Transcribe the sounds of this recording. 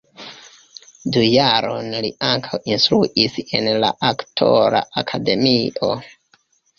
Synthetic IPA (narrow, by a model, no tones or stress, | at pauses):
dujaɾonliʔaŋkʰawinst̪ɾuʔise̞nla̰ʔaktʰo̞ɾa̰ʔakʰade̞miʔo̞̰